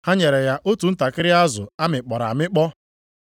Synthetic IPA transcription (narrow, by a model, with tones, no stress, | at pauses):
ha˦ɲe˨ɾe˨ja˦ʔo˦tu˨n̩˦ta˨kɪ˦ɾɪ˦a˦zʊ̰˨a˦mɪ˨k͡pɔ˨ɾa̰˨mɪ˦k͡pɔ˦